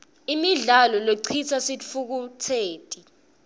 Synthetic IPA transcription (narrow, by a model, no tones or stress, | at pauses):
imiɮalɔloǀʰit͡sʰasifuk̬utʰeːtʼi